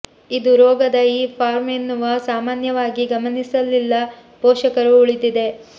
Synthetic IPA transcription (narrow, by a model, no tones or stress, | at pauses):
id̪uɾɔːɡɐd̪ɐiːpʰaːɾmenːuʋɐsaːmaːnjɐʋaːɡiɡɐmɐnisɐlːilːɐ | pɔːʃɐkɐɾuːɭid̪id̪e̞